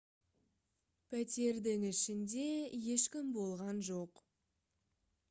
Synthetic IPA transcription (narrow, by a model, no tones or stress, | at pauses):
pʰæt̪e̞ɾd̪ɪŋɪʃɪnd̪e̞je̞ʃkʲɪmbo̞lˠʁɑnʒo̞q